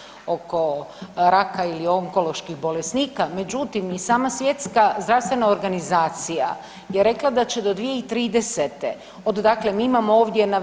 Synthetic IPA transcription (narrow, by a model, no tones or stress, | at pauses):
o̞ko̞ɾakailio̞ŋko̞lo̞ʃkixbo̞lesniːkame̞d͡ʑut̪imisaːmasʋje̞t̪skazd̪ɾaʋst̪ʋe̞nao̞ɾɡanizaːt̪sija | jeɾe̞klˠad̪at͡ɕe̞d̪o̞d̪ʋijeit̪ɾiːd̪e̞set̪e | od̪d̪akle̞miːimamooːʋd̪jena